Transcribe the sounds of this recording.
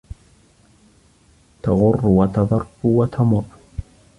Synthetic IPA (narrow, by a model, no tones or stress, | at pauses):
t̪aɣʊrːwat̪ɑðˤɑrwat̪ʰamʊrː